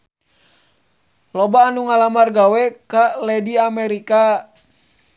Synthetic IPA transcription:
lɔbaːnuŋalamarɡawɛkalɛdiamɛɾika

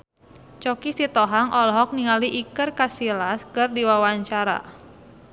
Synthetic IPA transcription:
t͡ʃɔkisit̪ɔɦaŋʔɔlɦɔk̚niŋaliʔikɨrkasilaskɨrdiwawaɲt͡ʃaɾa̰

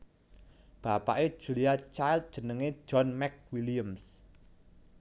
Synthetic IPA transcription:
b̥a̤pa̰ʔe̥ʒ̥ṳliat͡ʃajlt̪̚d̥ʒ̥ə̤nəŋe̥ʒ̥ɔnmɛk̚wiliəms

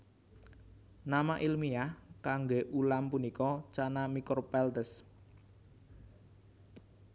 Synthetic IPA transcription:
namaʔilmiahkaŋɡeʔulampunikɔt͡ʃanamikʊrpɛlt̪əs

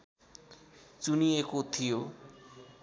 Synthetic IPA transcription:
t͡sunijekot̪ʰijo

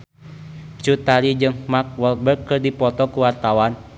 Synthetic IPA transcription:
t͡ʃut̪aɾid͡ʒɨŋmak̚wɔlbərkːɨrdipɔt̪ɔkuwart̪awan

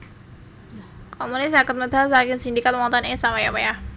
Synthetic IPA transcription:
komunɪs̬akət̪̚məd̪alsaɾɡinsind̪ikat̪̚mɔnt̪ɔnesawajapaja

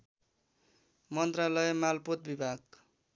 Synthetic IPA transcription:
mʌnt̪ralʌjemalpot̪̚bibʱaɡ

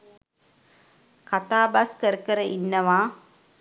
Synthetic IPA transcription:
kat̪aːbaskəɾəkəɾəʔinːəʋaː

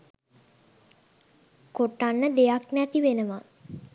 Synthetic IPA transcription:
koʈːanːəd̪ejaknɛt̪iʋenəʋa

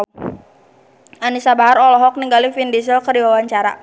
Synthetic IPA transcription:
ʔanisabaɦaɾɔlɔɦɔk̚niŋɡalifindis̬ɔkərdiwawaɲt͡ʃaɾa̰

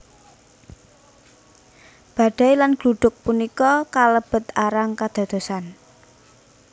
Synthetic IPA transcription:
b̥a̤ɖ̥a̤jlanɡ̥luɖ̥ʊk̚punikɔkaləb̥ə̤t̪aɾaŋkad̪̥a̤d̪̥o̤san

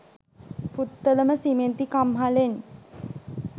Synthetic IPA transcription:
put̪ːələməsiment̪ikamɦalen

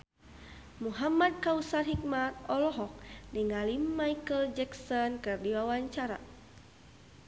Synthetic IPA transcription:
muɦamad̚kausarɦik̚mat̪̚ɔlɔɦɔk̚diŋalimːajkəld͡ʒɛksɔnkɨrdiwawaɲt͡ʃaɾa̰

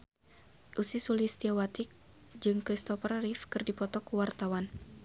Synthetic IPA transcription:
ʔusisulist̪iawat̪ik̚ | d͡ʒɨŋkɾist̪ɔfərrifkɨrdipɔt̪ɔkuwart̪awan

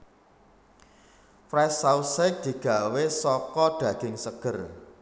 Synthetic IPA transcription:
fɾɛsausak̚d̪̥i̤ɡ̥a̤wesɔkɔd̪̥ä̤ɡ̥ɪŋsəɡ̥ər

